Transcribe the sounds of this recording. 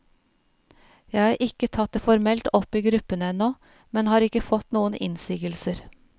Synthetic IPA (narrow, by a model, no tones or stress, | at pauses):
jæɪhɑːɾʔɪkːət̪ʰɑt̪̚d̪əfɔɾmɛlt̪ɔpːiːɡɾʉpːənəɛnːoː | mɛnhɑːɾɪkːəfɔt̪nuːənɪ̰nsiːɡəlsəɾ